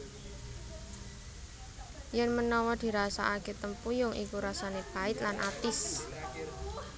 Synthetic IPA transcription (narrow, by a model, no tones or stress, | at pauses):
jɛnmənɔwɔd̪̥i̤ɾasaʔːket̪əmpujʊŋʔḭkuɾasanepaɪt̪̚lanʔat̪ɪs